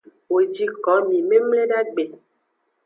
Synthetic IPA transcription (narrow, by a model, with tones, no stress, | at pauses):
wo˨d͡ʒi˨kɔ˨˦mĩ˨me˦mle˦ɖa˦ɡ͡be˨